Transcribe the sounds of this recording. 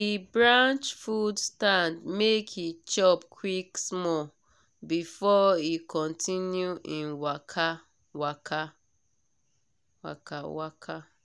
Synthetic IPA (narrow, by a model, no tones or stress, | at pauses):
ibɹãnt͡ʃfudstãndmekhit͡ʃɔpkʰwiksmɔ | bifɔikɔ̃ntʰĩnjuʔĩnwakʰa | wakʰa | wa̰kawakʰa